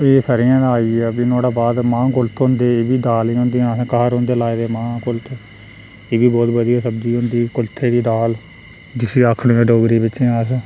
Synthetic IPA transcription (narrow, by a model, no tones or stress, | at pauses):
eːsəɾɪjãːd̪aaːiːɛːbinoːɽaːbaːd̪mãːkʊlt̪ʰɦʊ̃nd̪eːeːbiːd̪aːliɦõːnd̪ĩãːskəɦəɾɦõːnd̪eːlaːed̪eːmãːkʊlt̪ʰː | eːbiːbɔːt̪bəd̪ijaːsəb̚d̪iːʊ̃nd̪iːkʊlt̪ʰːeːɽiːd̪aːl | d͡ʒɪsiːaːkʰɽːẽːɖoːɡɾiːbɪt͡ʃẽːaːs